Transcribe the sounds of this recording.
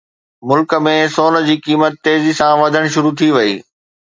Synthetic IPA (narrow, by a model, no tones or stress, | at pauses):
mʊlk̆mẽsoːnə̆d͡ʑiːkiːmət̪ːeːzisãʋɐd̪ʱəɽ̃ʃʊɾut̪ʰiʋɐḭː